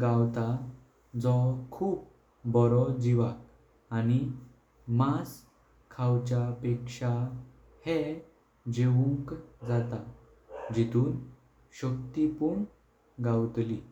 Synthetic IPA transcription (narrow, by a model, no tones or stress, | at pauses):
ɡawt̪a | d͡zɔkʰuːp | bɔɾɔd͡ʑiʋak | ani | mas | kʰawt͡ɕapekʂa | he | d͡ʑeʋuŋkd͡zat̪a | d͡ʑit̪uːn | ɕəkt̪ipuɳ | ɡawt̪li